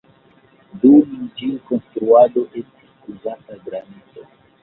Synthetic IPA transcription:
dumind͡ʒiko̞nstɾuado̞ʔe̞sti̥suzataɡɾanit͡so

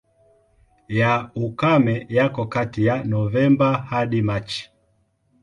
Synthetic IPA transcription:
jaukamɛjakɔkatijanɔvɛmbahaɗimat͡ʃi̥

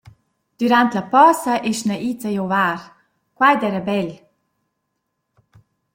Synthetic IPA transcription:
d̪̥yɾant̪lɐpɔsəʔɛʃnaʔit͡səjɔvaːɾ | kwajd̪ɛɾəbɛl

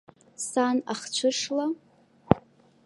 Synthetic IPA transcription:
sanaχt͡ʃʷʰɨʂla

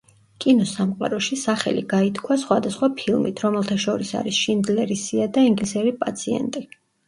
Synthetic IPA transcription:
kʼinɔsamqʼa̰ɾɔʃisaχɛ̰lḭɡait̪ʰkʰwasχwad̪asχwapʰilˠmit̪ʰɾɔmɛlˠt̪ʰaʃɔɾisa̰ɾisʃind̪lɛɾisiad̪aiŋɡlisɛɾipʼat̪sʰiɛ̰nt̪ʼi

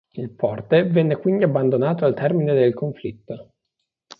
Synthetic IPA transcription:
ilpɔrt̪evɛnːekwind̪iabːand̪onaːt̪oalt̪ɛrmined̪elkoɱflit̪ːo

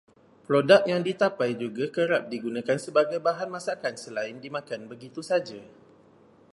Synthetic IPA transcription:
pɾodak̚jaŋdit̪apajd͡ʒuɡakəɾap̚diɡunãkansəbaɡajbaɦanmãsakansəlaɪndimãkanbəɡit̪usad͡ʒa

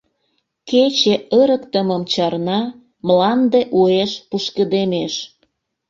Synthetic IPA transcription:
ket͡ɕeəɾəkt̪əməmt͡ɕɑrnɑ | mlɑnd̪eʔueʃpuʃkəd̪emeʃ

